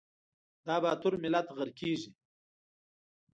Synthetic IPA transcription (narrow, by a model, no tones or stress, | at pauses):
d̪ɑːbaːt̪ʊɾmɪlat̪ɣəɾkeːʒi